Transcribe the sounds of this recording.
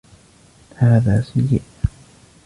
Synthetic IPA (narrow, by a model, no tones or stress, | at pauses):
haːðaːsajːɪʔ